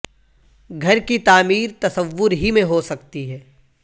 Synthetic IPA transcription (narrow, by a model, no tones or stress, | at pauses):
ɡʱɐɾkit̪aːmiːɾt̪ɐsəʋːʊɾɦimẽɦosɐk̚t̪iɦɛː